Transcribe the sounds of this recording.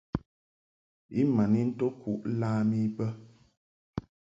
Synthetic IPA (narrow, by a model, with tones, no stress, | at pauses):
i˦ma˨ni˦n̩˦to˦kʰu˦ʔlaː˦mi˦bə˦